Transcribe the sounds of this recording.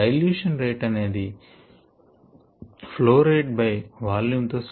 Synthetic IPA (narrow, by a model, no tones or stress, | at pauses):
ɐjljuːʂɐnɾejʈɐne̞ːd̪i | ploːɾeːʈ̚bɐjʋaːljuːmt̪oːs